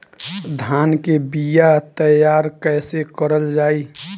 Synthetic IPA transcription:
d̪ʱaːnkebijat̪əjaːɾkɛːsekəɾəld͡ʒaːi

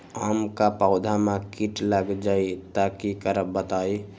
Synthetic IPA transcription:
amkapaʊd̪ʱamãkiʈləɡd͡ʒait̪akikəɾəbət̪aj

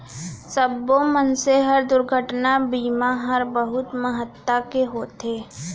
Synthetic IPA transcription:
səbːomənseɦəɾd̪ʊɾɡʱəʈnabiːmaɦəɾbəɦʊt̪məɦət̪ːakeɦoːt̪eː

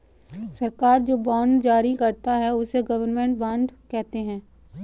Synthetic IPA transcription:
sɐɾkaːɾd͡ʒoːbãːɳɖd͡ʒaːɾikɐɾt̪aɦɛʊseɡɐʋəɾnmẽɳʈbãːɳɖkɛɦt̪eɦɛ̃ː

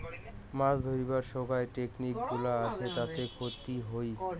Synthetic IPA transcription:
masd̪ʱoibaɾʃoɡaeʈeknik̚ɡulaat͡ʃʰet̪at̪ekʰot̪iɦoj

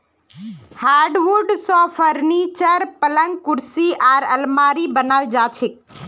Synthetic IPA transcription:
haːɖʋuɾɖsɔːfʰəɾniːt͡ʃəɾpɐlə̃ŋɡkʊɾsiʔaːɾɐlmaːɾibənald͡ʒaːt͡ʃʰɪk̚

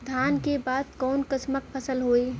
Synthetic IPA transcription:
d̪ʱaːnkebaːd̪̚kɔːnkət͡ʃmək̚pʰəsəlɦoe

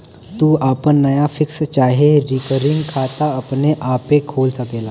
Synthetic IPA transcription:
t̪uːapəɳːəjafikst͡ɕaɦeɾikəɾiŋɡkʰat̪aːpneʔapekʰolsəkela

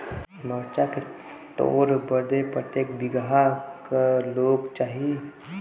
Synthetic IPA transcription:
məɾt͡ʃake | t̪o̰ːɾbəɾd̪epɾət̪jeːkbɪɡɦakaloːɡt͡ʃaːɦie

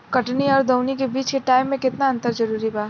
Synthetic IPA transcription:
kɐʈniɔːɾd̪ɐʊnikebiːt͡ʃkeʈaːɪmːẽkɪt̪naɐ̃nt̪əɾd͡ʒɐɾuːɾibaː

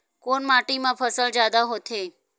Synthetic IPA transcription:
konmaʈimãpʰəsəld͡ʒjad̪aɦot̪ʰe

